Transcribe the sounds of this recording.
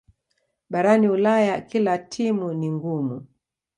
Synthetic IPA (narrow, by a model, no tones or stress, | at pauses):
ɓaɾaniulajakilatʰimuniŋɡumu